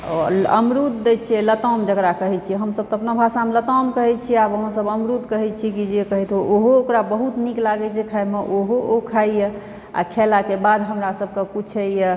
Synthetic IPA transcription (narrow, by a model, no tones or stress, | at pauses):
ə̰mɾutd̪̚ːɛt͡ʃʰiɛlət̪ɔmd͡ʒəɡɾakəɦɛt͡ʃʰiɛɦəmsəb̚t̪ɔ̃əpnobʱasamelət̪ɔmkəɦɛt͡ʃʰiabəɦə̃səbəmɾut̪kəɦɛt͡ʃʰikid͡ʒekəɦɛt̪ɦoʔoɦookɾabəɦut̪niklaɡɛt͡ʃʰikʰaemeʔoɦookʰaijə | a̰kʰelakebad̪ɦəmɾasəb̚kekut͡ʃʰɛjə